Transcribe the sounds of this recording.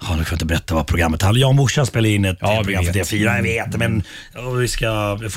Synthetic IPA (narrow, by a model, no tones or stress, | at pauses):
hɔnʉkʰanɪt̪əbɛɾɛt̪ːavapʰɾʊɡɾamːət̪halːjɑːɡɔmʊʂːaspeːlaɪnːɛt̪pɾʊɡɾamfd̪eːfiːɾajaveːt̪mɛnɔmvɪskaf